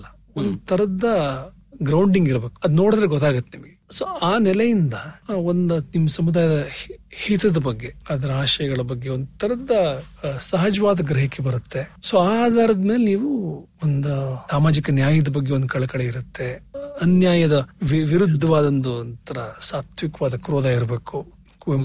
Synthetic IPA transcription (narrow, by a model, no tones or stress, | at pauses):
lɐ | ond̪ut̪ʰːɐɾɐd̪ɐ | ɡɾɐwɳɖiŋɡiɾɐbe̞ːku̥ɐd̪uno̞ːɽd̪ɾeɡɔt̪ːaːɡut̪ːenimɡesoːaːnɛlɐjind̪ɐond̪unimːɐsɐmud̪aːjɐd̪ɐhiːt̪ɐd̪ɐbɐɡːe̞ad̪ɐɾɐaːʃɐjɐɡɐɭɐbɐɡːeond̪ut̪ʰːɐɾɐd̪ɐsɐɦɐd͡ʒɐʋaːd̪ɐɡɾɐɦikebɐɾut̪ːe̞soːaːd̪ʱaːɾɐd̪ɐmeːleniːʋu | ond̪usaːmaːd͡ʒikɐnjaːjɐd̪ɐbɐɡːeo̞nd̪ukɐɭɐkɐɭeiɾut̪ːe̞ɐnjaːjɐd̪ɐʋiʋiɾud̪ʱːɐʋaːd̪ɐnd̪unt̪ʰɐɾɐsaːt̪ʰʋikɐʋaːd̪ɐkɾoːd̪aiɾɐbe̞ːku | k